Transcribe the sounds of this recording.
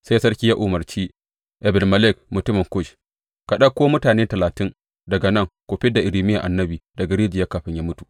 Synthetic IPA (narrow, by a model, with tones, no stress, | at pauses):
sa˦jsɐ˦ɾkʲiː˦ja˦ʔʊ˨mɐ˨ɾt͡ʃiː˦ | ʔɛ˨bɛ˨ɾmɐ˨lɛ˦˨k̚mʊ˨tʊ˦mɪ˨ŋkʊ˦˨ʃ | ka˨ɗɐ˦kʷːoː˦mʊ˦taː˨neː˦tɐ˨laː˨tɪ˦ŋ | dɐ˨ɡa˨nɐ˦˨ŋkʷoː˨ɸɪ˦da˨ʔɪ˨ɾiː˨mɪ˦ja˨ʔa˨nːɐ˦biː˨dɐ˨ɡa˨ɾeː˦d͡ʒɪ˨ja˦kaː˨ɸɪ˦ɲja˦mʊ˦tu˨